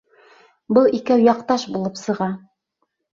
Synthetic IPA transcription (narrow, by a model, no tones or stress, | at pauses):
bɤlˠikæwjɑqt̪ɑʃbulˠɤpsɤ̆ʁɑ